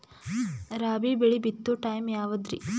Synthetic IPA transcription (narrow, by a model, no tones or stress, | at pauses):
ɾaːbibeɭibit̪ːuʈɐjmjaːʋɐd̪ɾḭ